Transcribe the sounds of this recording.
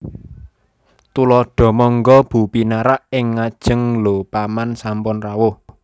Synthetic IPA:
t̪ulɔɖ̥ɔ̤mɔŋɡɔb̥ṳpinaɾaʔɪŋːad̥ʒ̥ə̤ŋlopamansampʊnrawʊh

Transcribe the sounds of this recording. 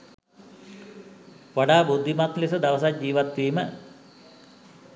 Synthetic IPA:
ʋaɖaːbud̪ʱːimat̪lisəd̪aʋəsad͡ʒiːʋat̪ːiːmə

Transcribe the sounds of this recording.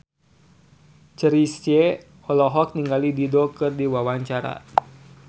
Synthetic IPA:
t͡ʃəɾise | hɔlɔɦɔk̚niŋɡalididɔkɨrdiwawaɲt͡ʃaɾa̰

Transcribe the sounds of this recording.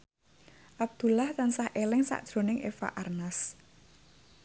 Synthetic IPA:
ʔab̚d̪̥ṳlaht̪ansahʔelɪŋsa̰ʔd̥ʒ̥ɾo̤nɪŋʔefa̰ʔarnas

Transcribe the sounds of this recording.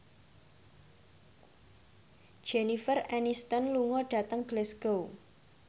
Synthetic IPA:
d̥ʒ̥enifərɛnist̪ənluŋɔɖ̥ä̤t̪əŋɡ̥lɛsɡ̥ow

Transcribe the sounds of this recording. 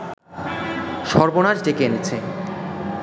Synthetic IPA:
ʃɔɾbonad͡ʑɖekeenet͡ɕʰe

